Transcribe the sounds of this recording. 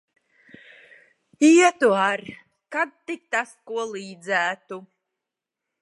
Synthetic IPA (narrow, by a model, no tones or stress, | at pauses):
iɛt̪uaɾ | kad̪̚t̪ik̚t̪askuɔlˠiːd̪zæːt̪u